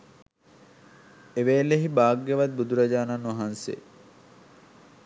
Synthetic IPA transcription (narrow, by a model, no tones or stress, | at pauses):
eʋeːlːeɦibaːɡːeʋɐd̪̚bud̪uɾɐd͡ʒaːnanːuʋɐɦansḛ